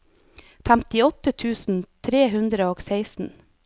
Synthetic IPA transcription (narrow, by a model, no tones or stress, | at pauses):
fæmt̪ɪɔt̪ət̪ʰʉːsn̩t̪ʰɾeːɦʉnd̪ɾəoːɡseɪsn̩